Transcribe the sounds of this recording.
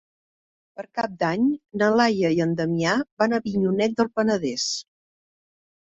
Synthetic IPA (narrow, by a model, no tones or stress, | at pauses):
pəɾkap̚d̪aɲnəlajəiənd̪əmiaβanəβiɲunɛt̪̚d̪əlˠpənəðɛs